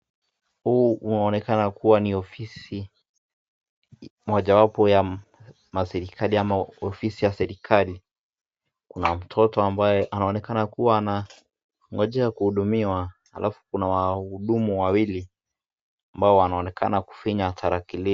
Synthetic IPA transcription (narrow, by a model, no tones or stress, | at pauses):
huːunaɔnɛkanakuwaniɔfisi | mɔʄawapɔja | masɛɾikʰaliamaɔfisijasɛɾikʰali | kunam̩tʰɔtɔambajɛʔanaɔnɛkanakuwaːna | ŋɡɔʄɛakuhuɗumiwaha̰lʔafu̥kunawahuɗumuwawili | ambaɔwanaɔnɛkʰa̰naku̥fiɲatʰaɾakili